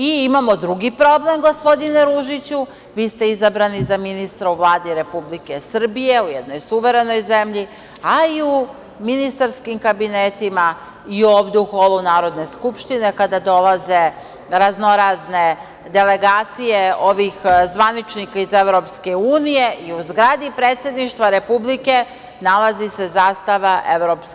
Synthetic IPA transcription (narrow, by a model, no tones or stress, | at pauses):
iimamo̞d̪ɾuɡipɾo̞ble̞mɡo̞spo̞d̪ineɾuʒit͡ɕu | ʋiːst̪e̞izabɾanizaminist̪ɾauʋlˠaːd̪iɾe̞publike̞sr̩bije̞ujed̪no̞jsuʋe̞ɾe̞no̞jze̞mʎi | aiu | minist̪aɾskimkabinet̪ima | iobd̪uxolˠunaːɾo̞d̪ne̞skupʃt̪ine̞kad̪ad̪o̞lˠaze̞ | ɾazno̞ɾazne̞ | d̪e̞le̞ɡaːt̪sije̞o̞ʋixzʋanit͡ʃnikaizevɾo̞pske̞uːnije̞ʔiuzɡɾaːd̪ipɾe̞ːt̪sje̞d̪niʃt̪ʋaɾe̞publike̞ | nalazise̞zaːst̪aʋaʔeʋɾopsk